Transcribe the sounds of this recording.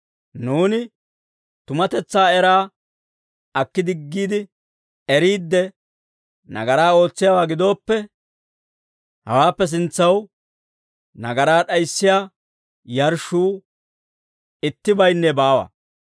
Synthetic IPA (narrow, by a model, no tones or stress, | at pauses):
nuːnɪ | t̪ʊmɐt̪ɛt͡sːaːɛɾaː | ɐkːɪd̪ɪɡːiːd̪ɪ | ɛɾiːd̪ːɛ | nɐ̰ɡɐɾaːo̞ːt͡sːɪjaːwaːɡɪd̪o̞ːpːɛ | hɐ̰waːpːɛs̬ɪnt͡sːɐw | nɐɡɐɾaːɗɐjsːɪjaː | jɐɾʃuː | ɪt̪ːɪbɐjnːɛbaːwɐ̰